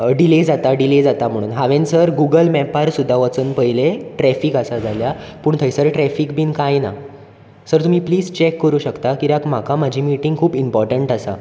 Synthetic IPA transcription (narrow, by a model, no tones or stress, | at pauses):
ɖiled͡zat̪aɖiled͡zat̪am̤əɽ̃uːnɦaʋẽnsəɾɡuɡəlmɛpaɾsud̪ʱːaʋət͡sənpəjleʈɾɛfiːkəsad͡zʱalja | puːɳt̪ʰəjsəɾʈɾɛfiːkbʱiːnkajna | səɾt̪um̤iːpliːd͡zt͡ɕekːəɾuːɕəkt̪akiɾakm̤akʰamad͡ʑʱiːmiʈiŋɡkʰuːbimpɔɾʈəɳʈasa̰